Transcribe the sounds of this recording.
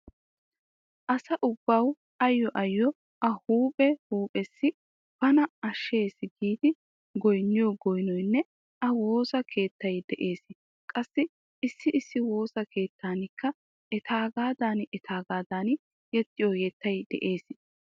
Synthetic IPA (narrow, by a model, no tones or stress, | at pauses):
ʔɐsɐʔʊbːɐw | ɐjːɔʔɐjːɔ | ʔɐhuːpʼɛhuːpʼɛsːɪ | pɐnɐɐʃːe̞ːsɪɡiːd̪ɪ | ɡɔjnːɪjɔɡɔjnɔjnːɛ | ʔɐwo̞ːsɐkʰe̞ːt̪ːɐjd̪ɛʔe̞ːsɪ | kʼɐsːɪ | ɪsːɪʔɪsːɪwo̞ːsɐkʰe̞ːt̪ːaːnɪkːɐ | ɛt̪aːɡaːd̪aːnɛt̪ʰaːɡaːd̪aːn | jɛt̪ːɪjɔjɛːt̪ːɐjd̪ɛ̰ʔe̞ːsɪ